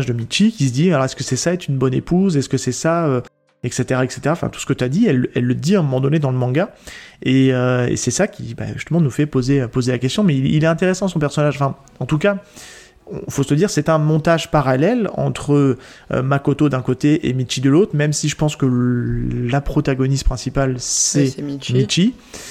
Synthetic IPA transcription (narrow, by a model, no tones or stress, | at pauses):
ʒd̪əmiʃikʲis̬əd̪ialɔʁɛskəsɛsaɛt̪χynbɔnepuzɛskəsɛsaø | ɛkset̪eʁaɛkse̥t̪eʁaɑ̃fɛ̰̃t̪u̥sə̥kət̪yad̪iɛlːɛlːəd̪iɛ̃mɔmɑ̃d̪ɔned̪ɑ̃ləmɑ̃ɡaeøḛsɛsakʲʰiba̰ʒyst̪əmɑ̃nufɛpozeøpozelakʲɛst̪jɔ̃mɛiilɛt̪ɛ̃t̪eʁesɑ̃sɔ̃pɛʁsɔnaʒɑ̃fɛ̃ | ɑ̃t̪uka | ɔ̰̃fost̪əd̪iʁsɛt̪ɛ̃mɔ̃t̪aʒpaʁalɛlɑ̰̃t̪χə | ø̰makot̪od̪ɛ̃kot̪eʔḛmit͡ʃid̪əlot̪χmɛmsiʒəpɑ̃skə | lapχɔt̪aɡɔnist̪pχɛ̃sipalsɛmit͡ʃi